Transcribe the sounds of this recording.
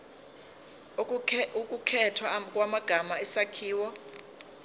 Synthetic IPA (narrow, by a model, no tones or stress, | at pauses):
ukʼukʰɛtʰwakʼwamaɡ̥ʱamaɛsakʰiːwɔ